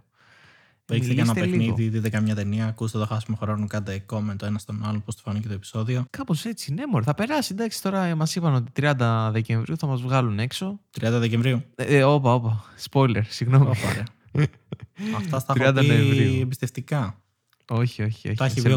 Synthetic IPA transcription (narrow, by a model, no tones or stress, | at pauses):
isekɐsnɐeeliniðiðiðekɐmɲɐt̪e̞niɐːkust̪et̪o̞xɐsimoxɾonukɐtd̪eko̞ment̪oe̞nɐst̪o̞nɐlonpost̪ofɐnicet̪oe̞pi̥so̞ðio̞kɐpo̞se̞t͡sine̞moɾeθɐpe̞ɾɐsid̪ɐksi̥t̪o̞ɾɐmɐsipɐno̞t̪i̥t̪ɾiɐnd̪ɐðe̞ce̞ɱvɾiuθɐmɐzvɣɐlune̞kso̞t̪ɾiɐnd̪ɐðeceɱvɾiuo̞pɐo̞pɐspo̞jle̞ɾsiɣno̞mioɾeɐ | ɐft̪ɐst̪ɐtɾiɐnd̪ɐðeevɾiuembist̪eft̪ikɐ | o̞çio̞çio̰çt̪ɐçio